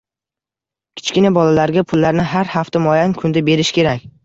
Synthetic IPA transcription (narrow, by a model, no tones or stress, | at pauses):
kʲʰɪ̥t͡ʃkʲɪnabɒlalaɾɡʲapʰʊlːaɾnɪɦaɾhaft̪amɒjankʰʊnd̪abe̞ɾɪʃkʲe̞ɾakʲ